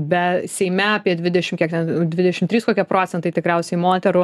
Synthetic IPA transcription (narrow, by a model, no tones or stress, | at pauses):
bʲɛsʲɛɪmʲɛɐpʲiɛd̪ʲʋʲɪd̪ʲɛʃʲɪmkʲiɛk̚t̪ʲɛnd̪ʲʋʲɪd̪ʲɛʃʲɪmt̪ʲɾʲiːskoːkʲiɛpɾoːt͡sʲɛnt̪ɐɪt̪ʲɪkɾʲɛʊsʲɛɪmoːt̪ʲɛɾʊ